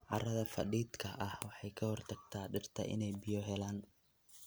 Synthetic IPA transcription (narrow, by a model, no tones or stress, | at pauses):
ʕɑrɐðɐfɐɗiːd̪kʰɐʔɐhwɑħɑjkʰɐhɔrt̪ʰɐɡ̥̚t̪ʰaːɖɪrt̪ʰɐ̰ʔɪ̰nɛjbɪjɔɦɛlaːn